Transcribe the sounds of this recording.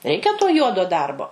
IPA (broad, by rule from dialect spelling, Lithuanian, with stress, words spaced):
ˈrʲɛɪkʲɛ toː ˈjuɔdoː ˈdɐrboː